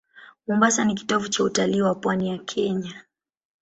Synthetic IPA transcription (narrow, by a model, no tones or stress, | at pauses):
mɔmbasanik̬i̥tɔvut͡ʃautaliːwapwanijakʰɛɲa